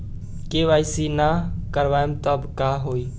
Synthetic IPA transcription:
keʋaːjsinakəɾʋaːjmt̪əbkaɦoi

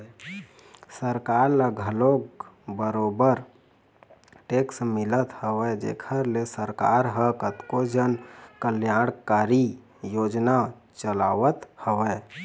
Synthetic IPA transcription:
səɾkaɾlaɡʱəloɡ | bəɾobəɾ | ʈeksmɪlət̪həʋɛd͡ʒḛkʰəɾlesəɾka̰ɾɦəkət̪kod͡ʒənkəljaɽ̃kaɾi | jod͡ʒna | t͡ʃəlaʋət̪həʋɛ

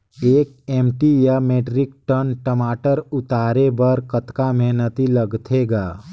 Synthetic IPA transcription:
eːk | eːmʈijameːʈɾɪkʈənʈəmaːʈəɾʊt̪aːɾebəɾkət̪kameɦnət̪iləɡt̪ʰeɡaː

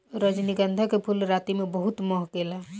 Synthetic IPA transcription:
ɾəd͡ʒniɡənd̪ʱəkepʰulɾat̪imebəɦut̪mɔɦkela

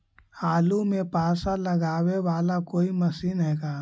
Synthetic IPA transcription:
haːlumẽpaːsalɐɡaːweʋaːlakoːimɐsiːnɦɛːɡaː

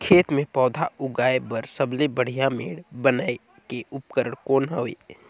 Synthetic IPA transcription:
kʰeːt̪mẽpɔːd̪ʱaʊɡaːebəɾsəblebəɽ̤ijamḛːɽbənae | keʔʊpkəɾəɽkoːnɦəʋḛː

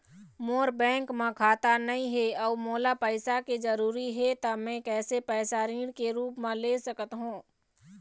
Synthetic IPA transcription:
moːɾbɛ̃ːŋkmãkʰaːt̪anɐĩɦeɔːmoːlapəɪsakid͡ʒəɾuːɾiɦɛt̪amɛ̃kɛːsepɛːsaɾiːɽ̃keɾuːpmãleːsəkət̪ɦũː

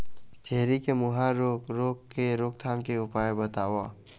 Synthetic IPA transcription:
t͡ʃɛɦɾikemʊɦãɾoːkɾoːkːeɾoːkt̪ʰaːmkeʊpaːjebət̪aːwa

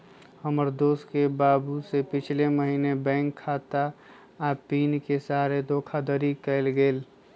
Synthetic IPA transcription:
həməɾd̪oːskebaːbusepɪt͡ʃʰleməɦiːnebɛ̃ːŋkʰːaːt̪aː | piːnkesaːɾed̪oːkʰad̪əɾikəɪlɡeːl

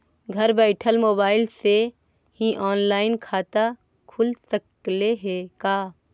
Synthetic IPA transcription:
ɡʱɐɾbɛːɪʈʰəlmoːbaːɪlse | hĩʔɔːnlaːɪnkʰaːt̪a | kʰʊlsək | leɦeːkaː

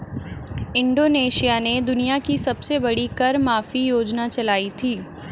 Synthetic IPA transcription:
ɪ̃ɳɖoːneːʃijaned̪ʊnijakisɐbsebɐɽikɐɾmaːfijoːd͡ʒnat͡ʃɐlaːit̪ʰiː

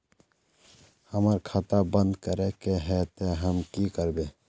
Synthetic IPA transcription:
həməɾkʰaːt̪abə̃nd̪kəɾekeɦɛt̪eɦəmkikəɾbe

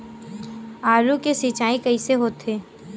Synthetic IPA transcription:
aːɾukesit͡ʃaːikɐiseɦoːt̪eː

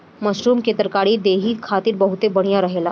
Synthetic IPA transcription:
məɕɾuːmket̪ɾəkaɽiːd̪eɦiːkʰat̪iːɾbəɦut̪ebəɽ̃ijaɾəɦela

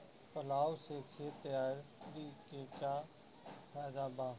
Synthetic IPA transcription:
pəlaːwsekʰet̪jaːɾbikeka | pʰaːd̪aːba

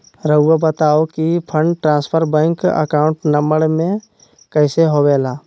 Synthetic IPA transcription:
ɾəuːabət̪aːokipʰə̃ɳɖʈɾãːnspʰəɾbɛ̃ːŋkə̰kaːʊɳʈnəmbəɽmẽ | kəɪseɦoːʋeːlaː

